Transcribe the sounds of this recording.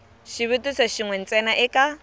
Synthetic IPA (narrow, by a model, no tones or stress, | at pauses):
ʃiβetusaʃiŋwɛn̩t͡sʼɛnaʔɪkʼa